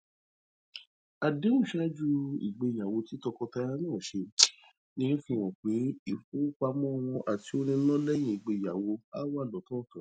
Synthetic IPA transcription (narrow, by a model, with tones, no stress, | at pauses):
a˨de˨˦ũ˦˨ʃa˦d͡ʒu˧ḭ˨ɡ͡be˧i˨ja˨wo˧ti˨˦tɔ˧kɔ˧ta˧ɾa˦nãː˦˨ʃe˧ | nĩ˦fĩ˧w̃ɔ̃˨k͡pe˨˦i˦˨fu˦k͡pa˧mɔ̃˦ɔ˧w̃ɔ̃˧ʔa˨ti˨˦o˧nĩ˧˦nɔ̃˦lɛ˦j̃ĩ˨i˨ɡ͡be˨˧˨ja˨wo˧a˦wa˦˨lɔ˨˦tɔ̃˦˨tã˨˦